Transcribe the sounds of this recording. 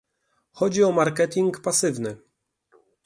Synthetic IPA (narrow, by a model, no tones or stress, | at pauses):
xɔd͡ʑiɔmaɾkɛt̪ʲiŋkpasɘvnɘ